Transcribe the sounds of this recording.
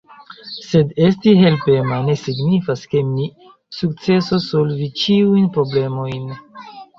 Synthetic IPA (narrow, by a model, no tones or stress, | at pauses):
se̞de̞stiɦe̞lpe̞mane̞siɡnifaske̞mi | suk̚t͡se̞soso̞lvit͡ʃiujnpɾo̞ble̞mo̞jn